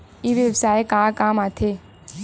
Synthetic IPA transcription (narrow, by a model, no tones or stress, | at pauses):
iːʋjebsaːekaːkaːmat̪ʰeː